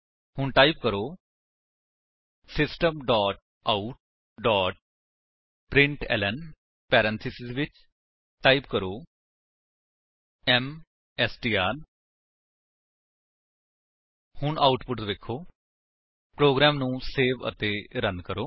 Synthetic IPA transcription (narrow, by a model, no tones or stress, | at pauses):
hʊɳʈaːip̚kəɾoː | sɪsʈəmɖɔːʈ̚ | aːuʈ̚ | ɖɔːʈ̚ | pɾɪ̃ɳʈɛ̰ːlən | pɛːɾənt̪ʰɪsɪzʋɪt͡ʃ | ʈaːip̚kəɾoː | ɛm | ɛːsʈiːaːn | hʊɳʔaːuʈpʊʈʋekʰːoː | pɾoːɡɾɛːmnũːseːʋə̰t̪eːɾənkəɾoː